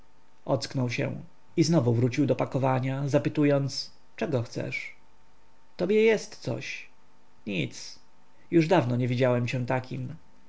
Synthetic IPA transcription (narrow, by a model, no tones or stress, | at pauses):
ʔɔt̪sknɔwɕɛ̰w | iznɔvuvɾut͡ɕiwd̪ɔpakɔvaɲazapɘt̪ujɔnt̪s | t͡ʂɛɡɔxt̪sɛ̰ʂ | t̪ɔbʲjɛjɛst̪sɔ̰ɕ | ɲit̪s | juʐd̪avnɔɲɛvʲid͡ʑawɛmt͡ɕɛ̃t̪akʲim